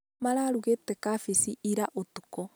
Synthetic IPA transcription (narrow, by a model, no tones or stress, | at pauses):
maɾaːɾuɣetɛkafisiʔiɾaʔotukɔ